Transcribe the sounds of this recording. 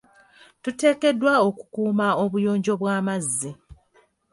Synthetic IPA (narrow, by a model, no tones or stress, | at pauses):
tute̞ːke̞dːwao̞ku̥kuːmao̞βujo̞ːɲɟo̞βwaːmazːi